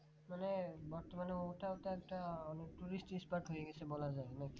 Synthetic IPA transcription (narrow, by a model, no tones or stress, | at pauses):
manɛbɔɹt̪ɔmanɔmutaʊtaɛk̚taanɛtuɹistispaɹtɦojɛɡɛsɛbɔlazajnɛk